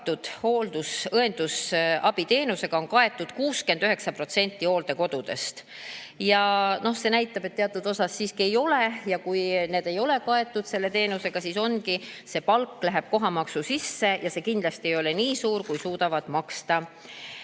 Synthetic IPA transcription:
t̪ːud̪̥ho̞ːld̪̥usɤe̞nd̪̥usɑb̥it̪e̞ːnuse̞ɡ̥ɑo̞nkɑe̞t̪ːˑud̪̥kuːskend̪yɦe̞ksɑpɾro̞t̪se̞nʲt̪ˑːio̞ːld̪e̞ko̞d̪̥ud̪̥e̞st̪ | jɑno̞hse̞næjt̪ːˑɑb̥e̞t̪ːeɑt̪ːˑud̪̥o̞sɑsːiːskie̞jo̞le̞jɑkujne̞ːd̪e̞jo̞le̞kɑe̞t̪ːˑud̪̥se̞lːe̞t̪e̞ːnuse̞ɡ̥ɑsiːso̞nkise̞pɑlkːlæɦe̞b̥̚ko̞ɦɑmɑksusisːe̞jɑse̞ːkind̪̥lɑst̪iejo̞le̞niːsuːɾkujsuːd̪ɑvɑd̪̥mɑkst̪ɑ

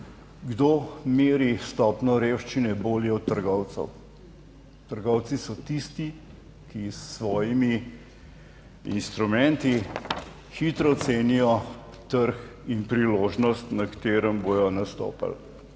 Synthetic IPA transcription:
ɡd̪omeːɾist̪ɔːpnɔɾewʃt͡ʃinɛboːljɛɔt̪ːəɾɡɔwt̪sə̰w | t̪əɾɡɔwt̪sisɔt̪ist̪i | kisːʋɔːjimi | ḭnst̪ɾumɛnt̪i | xit̪ɾɔt̪seːnijɔ | t̪əɾxinpɾiloːʒnɔst̪nakt̪eːɾəmbojɔnast̪o̰ːpa̰l

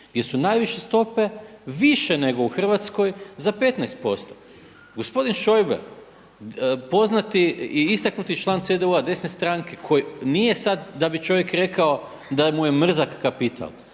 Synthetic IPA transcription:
ɡdʲje̞sunajʋiʃest̪o̞pe̞ʋiʃene̞ɡouxr̩ʋat̪sko̞jzape̞t̪najst̪̚po̞st̪o̞̥ | ɡo̞spo̞d̪inʃo̞jbḛɾ | po̞znat̪iiist̪aknut̪it͡ʃlˠaːnt̪sed̪euad̪e̞sne̞st̪ɾaŋke̞kʰo̞jinije̞sad̪ːabit͡ʃo̞ʋjekɾe̞kao | d̪amuje̞mr̩zakkapit̪ʰa̰l

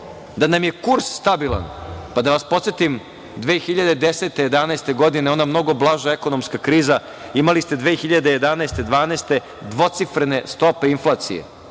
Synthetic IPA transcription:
d̪anamje̞kuɾssːt̪abilˠa̰npad̪aʋaspo̞t̪set̪im | d̪ʋeːxiʎad̪e̞d̪eseːt̪e̞jed̪anaest̪e̞ɡo̞d̪ineo̞namno̞ɡo̞blˠaʒaeko̞nomskakɾiːza | imalist̪e̞d̪ʋeːxiʎad̪eje̞d̪anaest̪ed̪ʋaːnaːst̪e̞ | d̪ʋo̞t̪sifɾene̞st̪o̞peinflˠat̪sḭjḛ

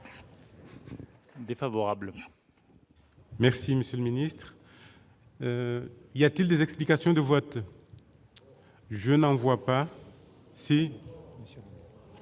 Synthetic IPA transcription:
d̪efavɔʁabl | mɛʁsiməsjøləminist̪χ | iljat̪ild̪ezɛksplikasjɔ̃d̪əvɔt̪ | ʒənɑ̃vwapa | se

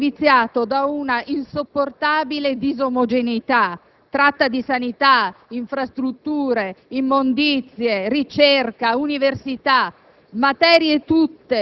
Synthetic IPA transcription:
vit̪sːjaːt̪od̪aunaʔinsopːort̪aːbiled̪izomod͡ʒent̪a | t̪ːɾat̪ːad̪isanit̪aiɱfɾast̪ɾut̪ːuːɾeimːond̪it̪sjerit͡ʃerkauniversit̪a | mat̪ɛːɾjet̪ut̪ːe

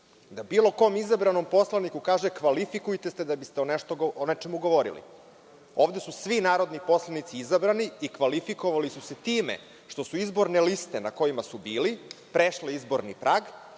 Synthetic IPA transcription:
d̪abiːlˠo̞ko̞ːmizabɾano̞mpo̞slˠanikukaːʒekʋalifikujt̪est̪e̞d̪abist̪eone̞ʃt̪oɡonet͡ʃe̞muɡo̞ʋo̞ɾḭlḭ | o̞ːʋd̪e̞susʋinaːɾo̞d̪nipo̞slˠanit̪siizabɾaniikʋalifiko̞ʋalisuse̞t̪iːmḛ | ʃt̪o̞suizbo̞ɾne̞list̪enako̞imasubiːlipɾeʃleizbo̞ɾnipɾʔaːɡ

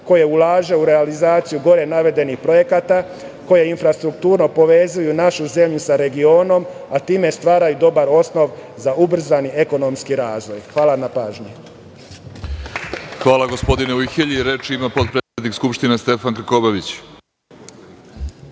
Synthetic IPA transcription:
ko̞je̞ulaːʒe̞uɾe̞alizaːt̪sijuɡo̞ɾe̞naʋe̞d̪e̞nixpɾo̞je̞kat̪a | ko̞je̞infɾast̪ɾukt̪uːɾno̞po̞ʋe̞zujunaʃuze̞mʎusaɾe̞ɡio̞ːno̞mat̪iːme̞st̪ʋaːɾajud̪o̞baɾo̞sno̞ʋzaubr̩zanieko̞no̞mskiɾaːzʋo̞jxʋaːlanapaːʒɲi | xʋaːlˠaɡo̞spo̞d̪ineuixeʎiɾet͡ʃimapo̞t̪̚pɾeːt̪sʲed̪nikskupʃt̪inest̪e̞fankɾ̩kobaʋit͡ɕ

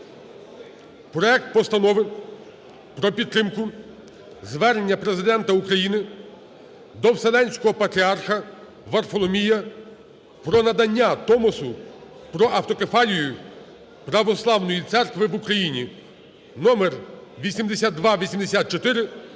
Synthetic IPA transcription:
pɾɔɛk̚t̪̚pɔst̪ɐnɔʋɪn | pɾɔpʲid̪ːɾɪmkʊ | zʋɛɾenʲːɐpɾezɪd̪ɛnt̪ɐukɾɐjinɪ | d̪ɔwselˠɛnʲsʲkɔɦɔpɐt̪ɾʲiarxɐ | ʋɐrfɔlˠɔmʲijɐ | pɾɔnɐd̪ɐnʲːat̪ɔmɔsʊ | pɾɔʔɐwt̪ɔkefɑlʲijʊ | pɾɐʋɔslˠɑwnɔjit̪sɛrkʋɪʋʊkɾɐjinʲi | nɔmerʋʲisʲimd̪esʲad̪̚d̪ʋɑʋʲisʲimd̪esʲat̪̚t͡ʃɔt̪ɪɾɪ

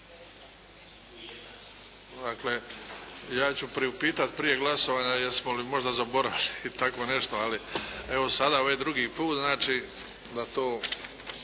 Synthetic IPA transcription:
d̪akle̞ | jaːt͡ɕupɾiupiːt̪at̪pɾije̞ɡlaso̞ʋaːɲajeɾsmolimo̞ʒd̪azabo̞ɾaʋiliːt̪akʋo̞ne̞ʃt̪oalie̞ʋo̞sad̪aoʋajd̪ɾuɡiːpuːt̪znaːt͡ʃiː | d̪at̪o̞ː

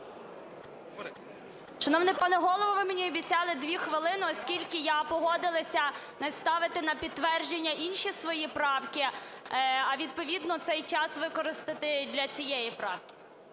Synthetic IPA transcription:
ʃɔnɔwnɛpɑnɛɦɔlˠɔʋɔʋɪmenʲiɔbʲit͡sʲɑlˠɪd̪ʋʲixʋɪlˠɪnɪɔskʲilʲkɪjapɔɦɔd̪ɪlˠɐsʲɐ | nɛst̪ɑʋɪt̪ɪnɐpʲid̪̚t̪ːʋɛrʒenʲːɐʔinʃisʋɔjipɾɑwkʲɪ | ɐʋʲid̪̚pɔʋʲid̪nɔt̪sɛjt͡ʃɑsʋɪkɔɾɪst̪ɪt̪ɪd̪ʲlʲɐt͡sʲijɛjipɾɑ̰wkʲɪ̥

